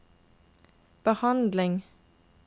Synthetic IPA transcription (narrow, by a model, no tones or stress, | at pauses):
b̥əhɑnd̪lɪŋ